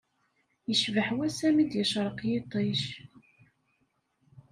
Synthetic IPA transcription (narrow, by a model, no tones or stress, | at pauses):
jəʃvəħwæsæmid̪jəʃɾˤəqjɪt̪ˤːeʃ